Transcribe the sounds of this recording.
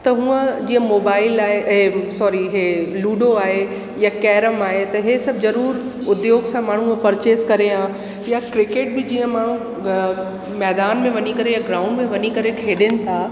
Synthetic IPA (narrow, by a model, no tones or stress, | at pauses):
t̪ɐɦũə̃d͡ʑiːə̃moːbaːɪlaːɦeʔɛ̃sɔːɾiɦeluːɖoaːɦe | jakɛːɾəmaːɦet̪ɐɦesɐbzɐɾuːɾʊd̪joːɡsãmaːɳ̤ũpɐɾt͡ɕeːskɐɾeã | jakɾɪkeːʈ̚bɪd͡ʑiːə̃maːɽ̤ũ | mɛːd̪aːnmẽʋɐɲikɐɾejaɡɾaːʊ̃ɳɖmẽʋɐɲikɐɾekʰeːɗɪnɪ̆t̪ʰaː